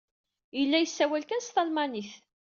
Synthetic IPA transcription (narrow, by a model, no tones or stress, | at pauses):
jəlːæjəsːæwælkænst̪ɑlmɑniθ